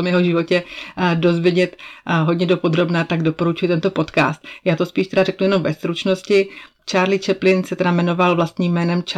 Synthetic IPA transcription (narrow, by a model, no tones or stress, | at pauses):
omjɛɦo̞ʒɪvo̞cɛdo̞zvjɛɟɛt̪ɦodɲɛdo̞po̞d̪ɾo̞bnaːt̪aɡdo̞po̞ɾut͡ʃujɪt̪ɛnt̪o̞po̞t̪ka̰ːst̪̚jaːt̪o̞spiːʃt̪ɛdarɛknujɛno̞mvɛst̪ɾut͡ʃno̞scɪ | t͡ʃaːɾlɪt͡ʃɛplɪnsɛt̪ɛdamɛno̞valvlast̪ɲiːmmːɛːnɛmt͡ʃ